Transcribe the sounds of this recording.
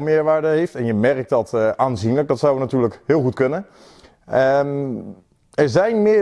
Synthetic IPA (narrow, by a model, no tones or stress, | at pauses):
mɪːəɹʋaːɹdəɦejftɛnjəmɛrk̚t̚dɑtʔaːnzinlək̚dɑtsawənatyːɹləkɦɪːlˠxutkɵnə | ə | ɛɹzɛjnmɪ